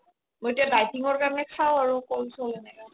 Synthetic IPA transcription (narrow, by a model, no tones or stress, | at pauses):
mojetiadajtiŋɔɹkamnɛkʰawaɹukolsolna